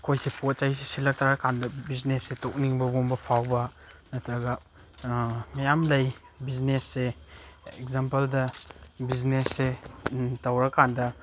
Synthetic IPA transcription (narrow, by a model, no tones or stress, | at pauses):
kʰojsepot̚t͡ʃajsesilɐk̚tʰaɾɐkʰandɐbiznesːetok̚niŋbɐbumbɐpʰawbɐ | nɐtɾɐɡɐ | majamlɐj | biznesːe | ekzampɐldɐbiznesːe | tɐwɾɐkandɐ